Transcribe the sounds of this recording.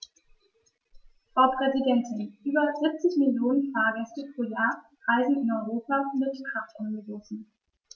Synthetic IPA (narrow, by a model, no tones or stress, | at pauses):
b̥ɔpʁ̥ɛzidɛntn̩ʔyːbɐzɪp̚t͡sɪçmɪljoːnənfaːɐɡɛstəpʁ̥oːjaːɐ | ʁ̥aɪzn̩ɪnɔʏʁoːpamɪtkʁ̥aftʔʊnɡəvɔsn̩